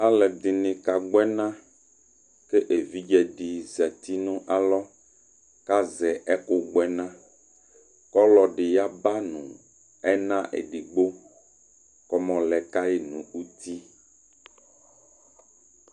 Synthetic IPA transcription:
a˦lɛ˨d̪i˨nĩ˨ka˨ɡ͡bɛ˦nã˦ | ke˦ʔe˨vi˦d͡ʒɛ˨ɖi˨zɛ˨t̪i˦nũ˦ʔa˨lɔ˦ | ka˦zɛ˨ʔɛ˦ko˦ɡ͡bɛ˨nã˦ | kɔ˦lɔ˨ɖi˨ja˦ba˦nṵ̃˨ | ɛ˦nã˦ʔḛ˨ɖi˨ɡ͡bo˦ | kɔ˦mɔ̃˨lɛ˨ka˦je˨nũ˨u˦t̪i˦

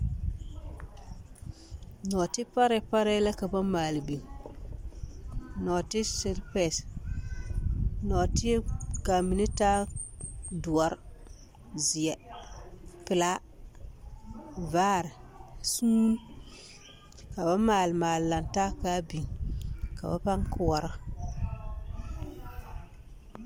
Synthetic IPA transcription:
nɔː˨tɪ˦pa˦ɾɛ˦pa˦ɾɛ˦la˦ka˨ba˦maː˨lɪ˨bi˨ŋ | nɔ˨tɪ˦sɪ˦ɾpɛ˨s | nɔ˨tɪ˦ɛ˦ka˨mi˨nɪ˦taː˦ | dʊ˨a˨ɾ | zɪ˨ɛ˨ | pɪ˨la˦ | vaː˦ɾɪ˨ | suː˦n˦ | ka˨ba˦maː˨lɪ˨maː˨lla˨ntaː˦kaː˦bi˨ŋka̰˨ba̰˦pa˦ŋkʊ˨wa˨ɾa˦

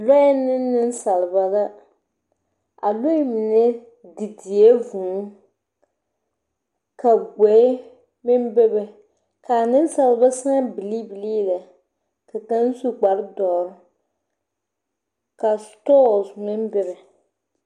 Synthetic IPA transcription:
la˦ɪ˦nɪː˦ɪ˦n˦sa˨lɨ˨ba˨la˦ | a̰˨lo˦i˦mi˨nɛ˦ | di˨di˨e˦vuː˨˦ | ka˨ɡɛ˨˦ | mɪ˦mbɛ˦bɛ˨ | ka˨nɪ˦n˦sa˨lba˦sa˦bi˨li˦bi˨liː˦la˨ | ka˨ka˦n˦su˦k͡pa˨ɾɨ˦dɔː˨ɾʊ˦ | ka˨stɔː˦˨smɪ˦mbɪ˦ɾɪ˨

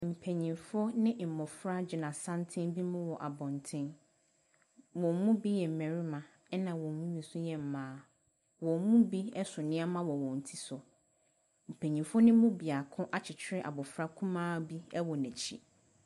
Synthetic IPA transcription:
m̩˨pʰɛ˨ɲĩ˨fʊ˦ɔ˦nɪ̃˦m̩˨mɔ̃˨fɾa˦d͡ʑɪ˨nã˨sã˦ntʰɪ̃˦nbi˦mʊ̃˦wɔ˨ʔa˨bɔ̃˨ntʰɪ̃˦n | wɔ̃˨m˦mũ˦bi˦jɛ˨m̩˨mɛ̃˨ɾi˦mã˨ | ɛ˦nã˨wɔ̃˨mũ˦ɥi˨sʊ˦jɛ˨m̩˨mãː˨˦ | wɔ̃˨m˦mũ˦bi˦ɛ˦sʊ˨nɪ̃˦a˦mã˦wɔ˨wɔ̃˨n̩˨tʰi˦sʊ˨ | m̩˨pʰæ̃˨ɲĩ˨fɔ˦nɪ̃˦mʊ̃˦bi˨a˨kʰʊ̃˦ʔa˦t͡ɕʰɪ˨t͡ɕʰᶣɪ˦ɾɪ˦ʔa̰˨bɔ˨fɾa˦kʰũ˦mãː˦bi˦ɛ˦wɔ˨næ̃˨t͡ɕʰi˦

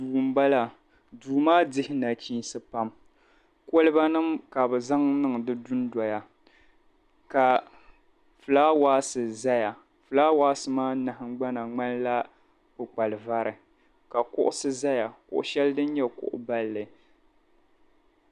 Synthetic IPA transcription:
duː˨m̩˦ba˦la˨ | duː˨maː˦dɪ˦hɪ˦na˨t͡ʃi˦n˦sɨ˦pa˦m | ko˦lɨ˦ba˦nɨ˦mka˨bɨ˨za˦ŋnɨ˦ŋ˨dɨ˦dʊ˦nda˨ja˨ | ka˨ | fɨ˨laː˦waː˦sɨ˨za˦ja˨ | fɨ˨laː˦waː˦sɨ˦maː˦na˨hɪ˦ŋ˦ɡ͡ba˦na˨ŋ͡ma˦nla˦ | bɨ˨k͡pa˨lɨ˨va˦ɾɨ˨ | ka˨kʊ̰˦ʔʊ˦sɨ˦za˦ja˨kʊ̰˨ʔʊ̰˨ʃɛ˦ldɨ˦n˦ɲɛ˦kʊ̰˦ʔʊ̰˦ba˦lːɨ˨

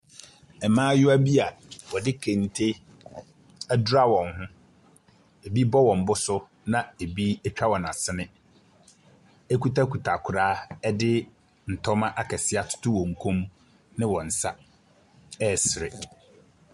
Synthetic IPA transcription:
ɛ˨mãː˦jʊ˦æ˦bi˦a˨wɔ˨dɪ˦kʰẽ˨n˨tʰe˦ | æ˦dʊ˦ɾa˦wɔ̃˨nɦʊ̃˦ | e˨bi˦bɔ˦wɔ̃˨m̩˨bʊ˦sʊ˦ | nã˨e˨bi˦ɛ˦t͡ɕᶣa˦wɔ̃˨na˨sɪ˦nɪ̃˦ | e˦ku˦ta˦kʰu˨tʰa˨kʰʊ˨ɾaː˦ɛ˦dɪ˦ | n̩˨tʰɔ˦mã˦ʔa˦kʰɛ˨sɪ˦a˨tʰʊ̥˦tʰʊ˦wɔ̃˨ŋ̩˨kʰũ˦m | nɪ̃˦wɔ̃˨n̩˨sa˦ | ɛ˦˨sɪ˨ɾɪ˨

